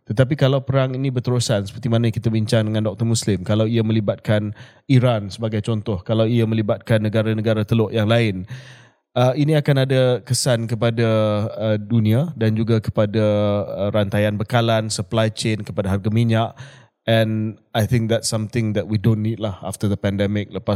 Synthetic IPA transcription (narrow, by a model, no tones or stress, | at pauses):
t̪ət̪ap̬ikalawpəɾaŋinĩbərt̪əɾusansə̥pərt̪imanakit̪abiɲt͡ʃaŋdəŋãndɔk̚t̪ərmuslɪmkalawiamə̃libat̪̚kan | iɾansəbaɡajt͡ʃɔnt̪ɔhkalawiamə̃libat̪̚kanːəɡaɾanəɡaɾat̪əlɔʔjaŋlaɪn | əinĩakanadakəsankəpadaədunĩadand͡ʒuɡakə̥padaəɾant̪ajanbəkalansəplajt͡ʃenkəpadaɦarɡamiɲaʔ | ɛ̃najt̪ʰɪ̃ŋk̚d̪ɛtsamt̪ɪ̃ŋd̪ɛt̚widõnːid̚laha̰ft̪əd̪əpɛndɛmɪk̚ləpa